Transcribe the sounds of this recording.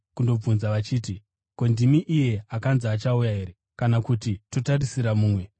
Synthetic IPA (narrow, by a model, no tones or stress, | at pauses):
kundo̞b͡vunzaʋat͡ʃiːti | ko̞ndimiʔije̞akanzːt͡ʃaujaɦe̞ːɾe̞ | kanakutito̞tarisiɾamuːmwe̞